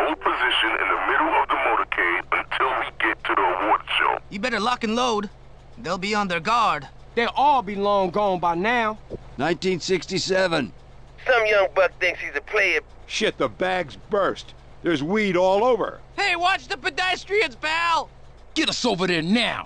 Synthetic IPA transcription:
hoʊl̚ˠpʰɨzɪʃɨ̃nɪ̰̃nðəmɪɾl̩ˠʌvðəmoʊɾə˞kʰẽɪ̃ə̃ntʰɪlˠwiɡɛtʰɨðiəwɔɹd̥ʃo̰ʊjɨbɛɾə˞lʌkɨ̃nloʊd̚ | ðeɪlˠbiə̃nðə˞ɡɑɹd̥̚ | ðeɪʔɔlˠbilɔ̃ŋɡoʊɪ̃nbaɪnaʊnãɪ̃ntĩnsɪkstisɛvə̃n | sʌ̃mjʌ̃ŋbʌt̚θɪ̃ŋkshizɨpʰl̥eɪɨt̚ | ʃɪt̪̚ðəbæɡzbɜ˞st̚ | ðə˞zwiɾɔlˠoʊvə̰˞heɪwɑt͡ʃðəpɨdæstɹ̥iɨ̃nsbælˠ | ɡ̥ɛɾəsoʊvəɾɪ̃nːaʊ

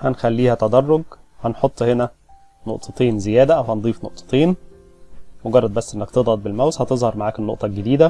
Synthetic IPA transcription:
hænxælːiːhæt̪æd̪ɑrˤːoɡhænħot̪ˤːhenæ | noʔt̪ˤɑt̪eːnzejæːd̪æʔæwhænd̪ˤiːfno̰ʔt̪ˤɑ̥t̪eːn | moɡɑrˤːɑd̪bæsːʔenːæk̚t̪ed̪ˤhɑd̪̚belmæwshɑt̪ezˤhɑɾˤmaʕaːknːoʔt̪ˤɑɡed̪iːd̪æ

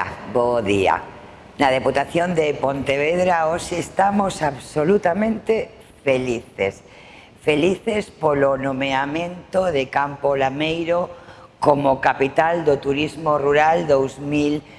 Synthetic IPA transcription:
boðia̰ | nað̞eput̪aθjond̪epont̪eβeðɾaoʃeːst̪amosaβsolut̪amẽnt̪e | feliθḛs | feliθespolonõmeamẽnt̪oðekampolamejɾokomokapit̪ald̪ot̪uɾizmoruɾald̪owzmil

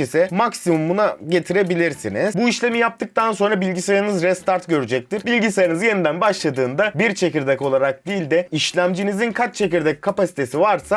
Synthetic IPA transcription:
isɛmaksimumːunaɟe̞t̪ʰiɾe̞bilʲiɾsiniz̥buiʃlʲe̞mijap̚t̪ʰɯk̚t̪ʰanso̞nɾabilʲɟisejaɾnɯzɾɛst̪aɾt̪ɟøɾyd͡ʒɛc̚t̪ʰiɾbilʲɟisejanɯzje̞nid̪ænbaʃlˠad̪ɯːnd̪abiɾt͡ʃʰe̞ciɾd̪ɛko̞lˠaɾak̚d̪iːlʲd̪ɛiʃlʲæmd͡ʒinizinkʰat͡ʃ̚t͡ʃʰe̞ciɾd̪ɛkkʰːapasi̥t̪ʰe̞sivaɾsa

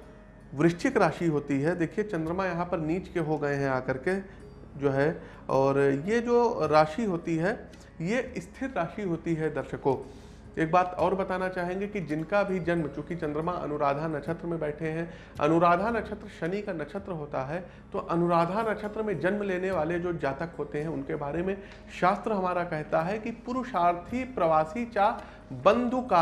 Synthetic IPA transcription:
ʋɾɪʃʈʰɪkɾaːʃiɦoːt̪iɦɛd̪eːkʰiet͡ʃɐ̃nd̪ɾəmãjɐɦãpɐɾniːt͡ʃkeɦoɡɐeɦɛ̃aːkɐɾke | d͡ʒoːɦɛ | ɔːɾjed͡ʒoːɾaːʃiɦoːt̪iɦɛ | jeɪst̪ʰɪɾɾaːʃiɦoːt̪iɦɛd̪ɐɾʃəko | eːk̚baːt̪ɔːɾbɐt̪aːnat͡ʃaːɦẽːŋɡekid͡ʒɪnkabʱid͡ʒɐnmt͡ʃjõːkit͡ʃɐ̃nd̪ɾəmãʔɐ̰nʊɾaːd̪ʱaːnɐt͡ʃʰət̪ɾəmẽbɛːʈʰeɦɛ̃ | ɐ̰nʊɾaːd̪ʱaːnɐkʃʰət̪ɾəʃɐnikanɐʃʰət̪ɾəɦoːt̪aɦɛ | t̪oʔɐnʊɾaːd̪ʱaːnɐʃʰət̪ɾəmẽd͡ʒɐnmleːneʋaːled͡ʒoːd͡ʒaːt̪əkɦoːt̪eɦɛ̃ʊnkebaːɾemẽ | ʃaːst̪ɾəɦɐmaːɾakɛɦt̪aɦɛkipʊɾʊʃaːɾt̪ʰipɾɐʋaːsit͡ʃaː | bɐ̃nd̪ʱukaː

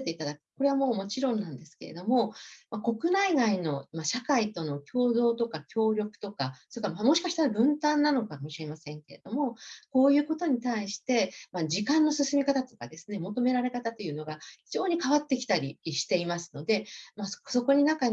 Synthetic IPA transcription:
t̪e̞it̪ad̪akɯ̟t̪ko̞ɾe̞βamo̞ːmo̞t͡ɕiɾõ̞nːãnd̪e̞sɨ̥ke̞̰e̞̰d̪o̞mo̞mako̞kɯ̟naiɡaino̞maɕakait̪o̞no̞kʲo̞ːd̪o̞ːt̪o̞kakʲo̞ːɾʲo̞kɯ̟̥t̪o̞kasoikamamo̞ɕi̥kaɕi̥t̪aɾabɯ̟̃nt̪ãnːano̞kamo̞ɕiɾe̞masẽ̞ŋke̞ɾe̞d̪o̞mo̞ko̞ːjɯ̟ːko̞t̪o̞ɲ̟it̪aiɕi̥t̪e̞mad͡ʑikãnːo̞sɨsɨmʲikat̪at̪o̞kad̪e̞sɨne̞mo̞t̪o̞me̞ɾaɾe̞kat̪at̪o̞jɯ̟ːno̞ɡaçiʑo̞ːɲ̟ikaβ̞at̪ːe̞kʲi̥t̪aɾʲiɕi̥t̪e̞imasɨ̥no̞d̪e̞mḁso̞ko̞ɲ̟inãŋka

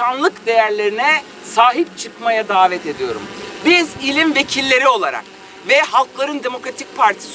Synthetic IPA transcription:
anlˠɯkd̪e̞jæɾlʲe̞ɾinɛ | saːɦip̚t͡ʃʰɯkmajad̪aːvɛt̪e̞d̪ijo̞̰ɾṵmbizilʲimve̞cʰilʲːe̞ɾio̞lˠaɾa̰k̚ | vɛhalˠklˠaɾɯnd̪e̞mo̞kɾat̪ʰic̚pʰaɾt̪ʰi̥s

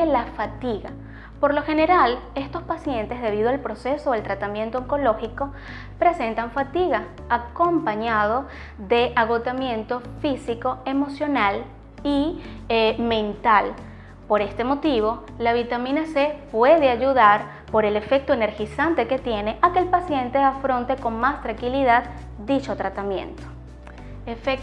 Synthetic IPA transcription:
elafat̪iɣa̰ | po̞ɾlo̞xe̞ne̞ɾale̞st̪o̞spasje̞nt̪e̞zðe̞β̞ið̞oalpɾo̞se̞so̞elt̪ɾat̪amje̞nt̪ooŋko̞lo̞xiko̞ | pɾe̞se̞nt̪aɱfat̪iɣa | ako̞mpaɲað̞o̞ | ðe̞ʔaɣo̞t̪amje̞nt̪o̞fisiko̞e̞mo̞sjo̞nal | i | mẽ̞nt̪al | po̞ɾe̞st̪e̞mo̞t̪iβo̞ | laβ̞it̪amĩnasepwe̞ðeaʝuðaɾ | po̞ɾe̞le̞fe̞k̚t̪oene̞ɾxisant̪e̞ke̞t̪je̞ne̞ʔake̞ːlpasje̞nt̪e̞afɾo̞nt̪e̞ko̞ŋmast̪ɾaŋkiliðad̪ | d̪it͡ʃo̞t̪ɾat̪amjẽ̞̰nt̪o̥ | efek

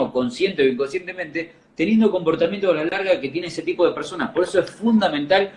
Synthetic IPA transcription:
oko̞nsje̞nt̪eoiŋkonsjent̪e̞mẽnt̪e̞ | t̪e̞nje̞nd̪o̞ko̞mpo̞ɾt̪amjent̪oalalaɾɣaeket̪je̞neeset̪ipoð̞e̞peɾso̞napoɾeso̞esfund̪amẽnt̪al

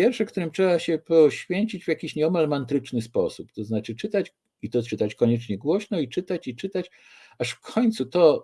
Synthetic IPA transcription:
jɛɾfʂɛkt̪uɾɘmtʂɛbaɕɛpɔɕfʲjeɲt͡ɕid͡ʑvʲjakʲiɕɲɛɔmalmant̪ɾɘt͡ʂnɘspɔsupt̪ɔznat͡ʂɘt͡ʂɘt̪at͡ɕ | it̪ɔt͡ʂɘt̪at͡ɕkɔɲɛt͡ʂɲɛɡwɔɕnɔit͡ʂɘt̪at͡ɕit͡ʂɘt̪at͡ɕ | aʂfkʰɔɲt̪sut̪ɔ

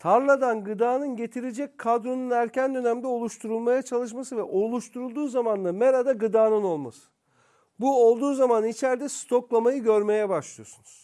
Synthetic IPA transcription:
t̪ʰaɾlˠad̪anɡɯd̪aːnɯnɟe̞t̪ʰiɾed͡ʒɛc̚ʲkʰːad̪ɾo̞nunæɾcʰænd̪ø̞næmd̪ɛo̞lˠuʃt̪ʰuɾulˠmajat͡ʃʰalˠɯʃ̬masɯvɛʔo̞lˠuʃt̪ʰuɾulˠd̪uːzamanld̪ameɾad̪aɡɯd̪aːnɯno̞lˠma̰sɯ̥ | buolˠd̪uːzamanit͡ʃʰæɾd̪ɛst̪ʰo̞klˠamajɯɟø̞ɾme̞jɛbaʃlˠɯjo̞sunuz̥

